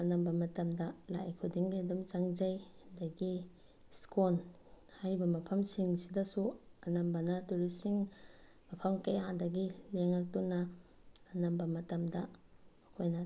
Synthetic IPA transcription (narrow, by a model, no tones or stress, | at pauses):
ɐnɐmbɐmɐtɐmdɐla̰jkʰudiŋɡajdumt͡ʃaŋd͡ʒajhadɐɡi | skon | hajbɐmɐpʰɐmsiŋsidɐsuɐnɐmbɐnɐtuɾisiŋ | mɐpʰɐmkɐjaadɐɡileŋak̚tunːaː | nɐmbɐmɐtɐmdɐɐkʰojnɐ